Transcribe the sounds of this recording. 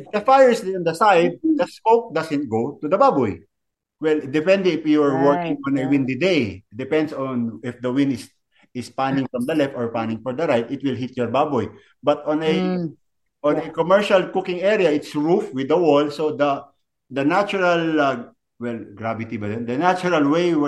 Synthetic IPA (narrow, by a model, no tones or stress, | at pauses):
ɪfd̪ɐfajɛɹsd̪iɔ̃nd̪ɐsajd̪̚d̪ɐskok̚d̪asɛ̃nt̪̚ɡowt̪ud̪ɐbabɔj | wɛld̪ɛpɛ̃nd̪ɛɪfjuɛɹwɔɹkɪ̃ŋɔ̃nɐwɪ̃nd̪ɪd̪ejd̪ɪpɛnd̪sɔnɪfd̪ɐwɪ̃nd̪ɪs | ɪspanɪ̃ŋfɹɐmd̪ɐlɛft̪ɔɹpanɪ̃ŋfɔɹd̪ɐɾajt̪ɪt̪̚wɪlɦɪt̪̚jɔɹbabɔj | bɐt̪ɔ̃nɛ | ʔɔ̃nɐkɔmɛɹʃɐlkʊkɪ̃ŋɛɹijɐʔɪt̪sɹufwɪd̪ɐwɔlsod̪ɐ | d̪ɐnat͡ʃʊɹɐl | wɛlɡɹavɪt̪ibɐd̪ɛnd̪ɐnat͡ʃʊɹɐlwew